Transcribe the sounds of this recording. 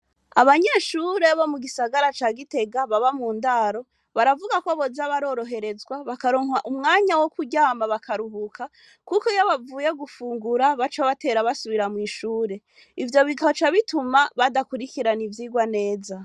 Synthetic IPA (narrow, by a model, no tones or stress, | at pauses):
aβaɲe̞ːʃuːɾeβamuɡisaɡaɾat͡ʃaːɡite̞ɡaβaβamuːndaːɾo̞ | βaɾavuɡako̞βo̞zaβaɾo̞ːɾo̞ɦe̞ɾe̞zɡwaβakaɾoːŋaʔumŋaːɲawokuɟaːmaβakaɾuɦukʰa | kukojaβavuːje̞ɡufuːŋɡuɾaβat͡ʃaβate̞ːɾaβasuβiɾamŋiːʃuːɾe̞ | ivjo̞βiɡahot͡ʃaβitumaβadakuɾikiɾanivjiːɡwane̞ːza